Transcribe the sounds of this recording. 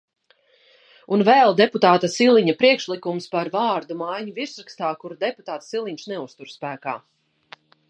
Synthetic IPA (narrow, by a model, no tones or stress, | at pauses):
unvɛlˠd̪ɛput̪aːt̪asilˠiɲapɾiɛkʃlˠikumspaɾvaːɾd̪umajɲuviɾsɾakst̪aːkuɾd̪ɛput̪aːt̪silˠiɲʃnɛust̪uɾspæːkaː